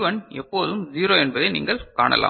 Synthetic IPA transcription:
ʋɐnɛpːoːðɯmziːɾoːɛnbɐðɐɪnḭːŋɡɐɭkaːɳɐ̰lʔa̰ː

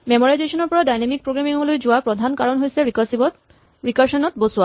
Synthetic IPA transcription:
mɛmɔɾajzeʃɔnɔɾpɔɹadajnemik̚pɾoɡɾamiŋɡulojd͡ʑoapɾod̪ʱankaɹonɦojsʰeisi | ɹikaʃɔnɔt̪bosua

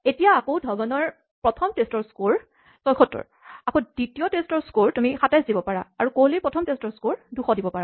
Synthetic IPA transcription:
etijaːkowdʱɔbanɔɹ | pɹɔtʰɔmtestɔɹskoɹ | sɔjkʰɔtːɔ̰ɹ | akoditijɔtestɔɹskoɹtumixatajzdibɔpaɹa̰aɹukolipɹɔtʰɔmtestɔɹskoɹduxɔdibɔpaɹa

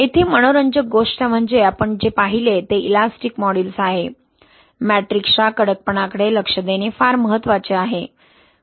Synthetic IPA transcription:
et̪ʰiːməɽ̃oɾəɲd͡ʑəɡoʂʈəm̤əɳd͡ʑeapəɳd͡ʑepaɦilet̪eilasʈikmɔɽilsaɦe | mæʈɾikʂakəɽək̚pəɳakəɽeləkʂəd̪enefaɾməɦət̪ːʋat͡ɕeaɦe

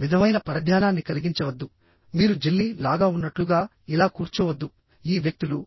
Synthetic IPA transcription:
ʋid̪ʱɐmɐjnɐpɐɾɐd̪ʱjaːnaːnːikɐliɡiɲt͡ʃɐʋɐd̪ːu | miːɾud͡ʒelːiːlaːɡaːunːɐʈluɡaː | ilaːkuːɾt͡ʃuːʋɐd̪ːu | iːʋjɐk̚t̪ulu

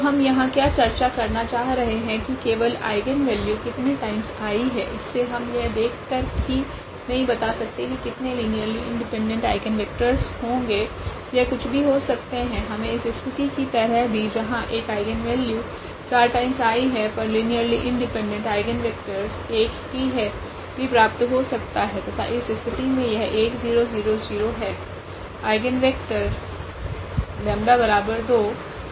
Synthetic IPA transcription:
t̪ɦɐmjɐɦãkjaːt͡ʃɐɾt͡ʃakɐɾnat͡ʃaːɦɾɐɦeɦɛ̃kikeːʋəla̰ːɪɡənʋɛːljukɪt̪neʈaːɪmzaːiɦɛ̰̃ʔɪsːeɦɐmjɐd̪eːkʰkəɾbi | nɐɦĩbɐt̪asɐk̚t̪ekikɪt̪neliːnijəɾliʔɪ̰̃ɳɖɪpɛ̃ɳɖə̃ɳʈa̰ːɪɡənʋɪk̚ʈəɾzhõːŋɡeː | jɛkʊt͡ʃʰbʱiɦosɐk̚t̪eɦɛ̃ɦɐmẽɪsɪskɪt̪ikit̪ɐɾəɦbʱid͡ʒɐɦãʔeːkaːɪɡənʋɛːljuː | t͡ʃaːɾʈaːɪ̃msaːiɦɛpɐɾliːnijəɾliʔɪ̃ɳɖɪpɛ̃ɳɖə̃ɳʈaːɪɡənʋeːk̚ʈəɾseːkɦiɦɛ | bipɾaːp̚t̪ɦosɐk̚t̪aɦɛt̪ot̪ʰa̰ʔɪsɪskət̪imẽjɐɦɛʔeːkziːɾoziːɾoziːɾoɦɛː | aːɪɡənʋeːk̚ʈəɾs | lɛ̃ːmɖabɐɾaːbəɾd̪oː

